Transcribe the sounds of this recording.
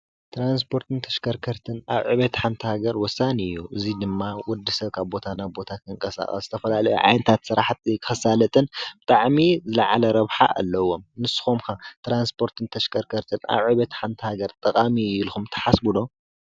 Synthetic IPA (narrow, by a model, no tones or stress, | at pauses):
t̪ʰɾans̬pʰo̞ɾt̪ʰɨnt̪ʰɐ̥ʃkʰɐɾkʰɐɾt̪ʰɨnaβʕɨβet̪ħant̪ʰihaɡɐɾwɔsːanɨjːuʔɨzid̪ɨmːawɔd̪ːisɐβkʰaβbo̞t̪ʰanajbo̞t̪ʰakʰɨŋkʼɐsa̰xʼɐ̰sz̥ɨ̥t̪ʰɐfɐlalɐjṵʕa̰jnɨt̪ʰat̪sɨɾaħt̪ʰikʰɨ̥xɐsalɐt̪ʼɨnbɨt̪ʼaʕmizɨlɐʕa̰lɐɾɐβħa̰ʔa̰lːɐwo̞mnɨsɨ̥xomkat̪ɾanspʰo̞ɾt̪ʰɨnt̪ʰɐʃkʰɐɾkʰɐɾt̪ʰɨna̰βʕɨβɐt̪ħant̪ʰihaɡɐɾt̪ʼɐkʼamiilxumt̪ʰɐ̥ħasbulo̞